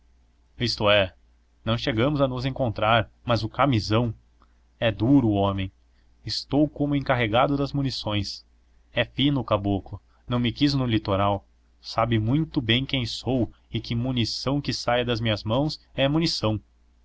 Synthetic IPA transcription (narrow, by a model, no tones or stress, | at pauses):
ist̪ʊɛ | nɐ̃w̃ʃeɡɐ̃mʊzɐnʊzẽŋkõnt̪ɾaɾmɐzʊkamizɐ̃w̃ | ɛd̪uɾʊõmẽj̃ | ɪst̪owkõmʊẽŋkaɦeɡad̪ʊd̪ɐzmunisõj̃s | ɛfĩnʊkaboklʊ | nɐ̃w̃mɪkiznʊlit̪oɾaw | sabɪmũj̃t̪ʊbẽj̃kẽj̃sowɪkɪmunisɐ̃w̃kɪsajɐd̪ɐzmĩɲɐzmɐ̃w̃sɛmunisɐ̃w̃